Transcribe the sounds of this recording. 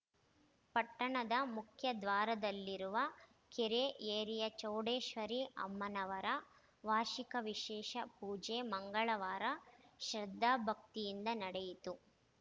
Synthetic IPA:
pɐʈːɐɳɐd̪ɐmukʰjɐd̪ʋaːɾɐd̪ɐlːiɾuʋɐ | keɾeʔeːɾijɐt͡ʃɐwɽeːʃʋɐɾiʔɐ̰mːɐnɐʋɐɾɐ | ʋaːʃikɐʋiʃɛːʃɐpuːd͡ʒeːmɐŋɡɐɭɐʋaːɾɐʃɾɐd̪ʱːaːbʱɐk̚t̪ijind̪ɐnɐɽejit̪u

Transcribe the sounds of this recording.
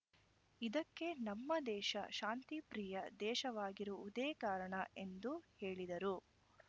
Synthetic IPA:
id̪ɐkːe̞nɐmːɐd̪ɛːʃɐ̰ʃaːnt̪ipɾiːjɐd̪ɛːʃɐʋaːɡiɾuːd̪eːkaːɾɐɳɐe̞nd̪uheːɭid̪ɐɾu

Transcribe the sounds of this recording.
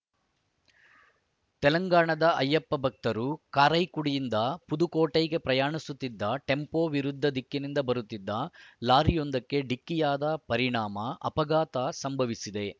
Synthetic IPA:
t̪ɛlɐŋɡaːɳɐd̪ɐɐjːɐpːɐbʱɐk̚t̪ɐɾukaːɾɐjkuɽijind̪ɐpud̪ukoːʈɐjɡe̞pɾɐjaːɳisut̪ːid̪ːɐʈe̞mpoːʋiɾud̪ʱːɐd̪ʱikːinind̪ɐbɐɾut̪ːid̪ːɐlaːɾijond̪ɐkːe̞ɖikːijaːd̪ɐpɐɾiɳaːmɐʔɐ̰pɐɡaːt̪asɐmbʱɐʋisid̪e̞

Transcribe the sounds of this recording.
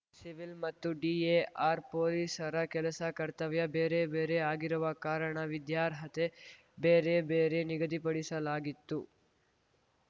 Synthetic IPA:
siʋilmɐt̪ːuɖiːeʔaːɾpoːliːsɐɾɐkɛlɐsɐkɐɾt̪ɐʋjɐbeːɾe̞beːɾe̞aːɡiɾuʋɐkaːɾɐɳɐʋid̪jaːɾɦɐt̪e̞ | beːɾe̞beːɾe̞niɡɐd̪ipɐɽisɐlaːɡit̪ːu

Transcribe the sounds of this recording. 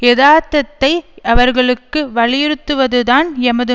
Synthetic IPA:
ɛðaːt̪ːɐt̪ːɐɪɐʋɐɾɣɐɭɯkːɯʋɐɭɪjɪɾɯt̪ːɯʋɐðɯðaːnɛmɐðɯ

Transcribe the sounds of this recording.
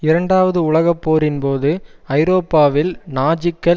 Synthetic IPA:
ɪɾɐɳɖaːʋɐðɯʊɭɐɣɐpːoːɾɪnpoːðɯɐɪɾoːpːaːʋɪlnaːd͡ʒɪkːɐ

